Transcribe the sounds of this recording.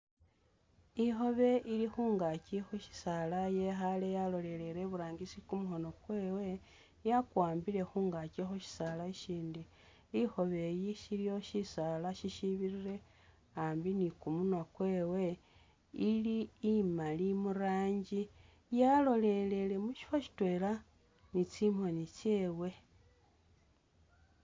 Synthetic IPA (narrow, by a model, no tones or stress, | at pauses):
ixo̞βe̞ʔilixuːŋɡacixuʃi̥salaje̞xale̞jalo̞le̞le̞leβuɾaːɲɡisikumuxo̞no̞kwe̞ːwe̞ | jakwaːmbile̞xuːŋɡacixuʃi̥salaʃiːndi | ixo̞βe̞jiʃilijo̞ʃisalaʃiʃiβiɾiɾe̞ | aːmbinikumunwakwe̞ːwe̞ | iliːmalimuɾaːɲɟi | jalo̞le̞le̞le̞muʃi̥faʃi̥twe̞ːla | nit͡simho̞nit͡ʃe̞ːwe̞